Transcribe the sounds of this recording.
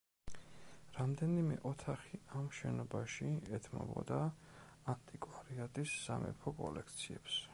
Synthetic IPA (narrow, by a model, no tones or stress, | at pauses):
ɾamd̪ɛnimɛʔɔt̪ʰaχiamʃɛnɔbaʃiɛt̪ʰmɔ̰bɔ̰d̪a | ant̪ʼikʼwaɾiat̪ʼisːamɛ̰pʰɔkʼɔlɛkʰt̪sʰiɛps